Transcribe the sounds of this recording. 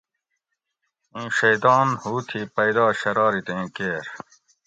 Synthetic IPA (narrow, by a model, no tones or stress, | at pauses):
ĩːɕɐjd̪ɑːnhuːt̪ʰipɐjd̪aːɕɐɾɑːɾit̪ẽːkeːɾ